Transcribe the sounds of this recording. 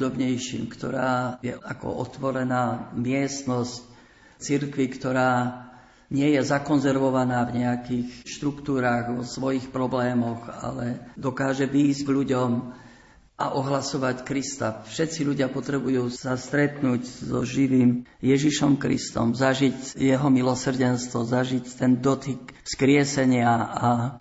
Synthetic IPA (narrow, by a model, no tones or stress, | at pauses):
d̪ɔbɲɛjʃḭːmkt̪ɔɾaːjɛ̰akɔ̰ʔɔ̰t̪ʋɔɾɛnaːmɪɛst̪nɔsc̚ | t͡siɾkʋikt̪ɔɾaː | ɲɪɛjɛzakɔnzɛɾʋɔʋanaːvɲɛakixʃt̪ɾukt̪uːɾaːɣʋɔsʋɔjixpɾɔblɛːmɔɣa̰lɛd̪ɔkaːʒɛʋiːzɟɡʎuɟɔm | ʔaʔɔɦlasɔʋackɾist̪afʃɛt̪t͡siʎuɟɪapɔt̪ɾɛbujuːsast̪ɾɛt̪nuːɟzɔ̰ʒiʋiːmjɛʒiʃɔmkɾḭst̪ɔ̰mzaʒicjɛɦɔmilɔsr̩ɟɛnst̪ʋɔzaʒict̪ɛnd̪ɔt̪ikfskɾɪɛsɛɲɪaa